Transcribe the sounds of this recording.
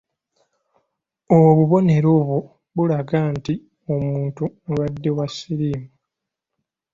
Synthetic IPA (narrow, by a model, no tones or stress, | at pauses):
oβuβo̞ne̞ɾo̞ːβwo | βulaɡanti | o̞muːntunβadːe̞wasːiɾiːmu